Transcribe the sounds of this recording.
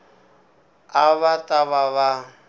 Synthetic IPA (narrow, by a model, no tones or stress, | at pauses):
aβatʼaβaβa